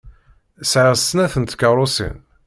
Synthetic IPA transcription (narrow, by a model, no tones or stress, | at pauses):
sʕəʁst̪ːnæθənt̪kəɾˤosḭn